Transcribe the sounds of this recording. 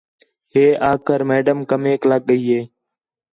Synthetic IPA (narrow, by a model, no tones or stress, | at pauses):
heːʔaːkəɾmeːɖəmkəmeːkləɠɠəiːɦeː